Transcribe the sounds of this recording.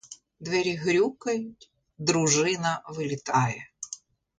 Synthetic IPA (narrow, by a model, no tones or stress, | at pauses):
d̪ʋʲɛɾʲiɣɾʲukɐjʊtʲ | d̪ɾʊʐɪnɐʋɨlʲɪt̪ajɛ